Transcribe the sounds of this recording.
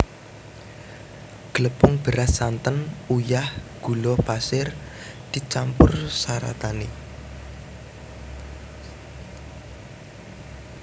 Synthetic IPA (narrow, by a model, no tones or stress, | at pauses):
ɡ̥ələpʊŋb̥əɾʔasant̪ənujahɡ̥ṳlɔpasɪr | d̪̥i̤t͡ʃampʊrsaɾa̰t̪ani